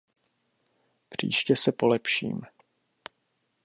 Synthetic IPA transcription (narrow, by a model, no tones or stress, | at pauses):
pr̝̥ḭːʃcɛsɛpolɛpʃḭːm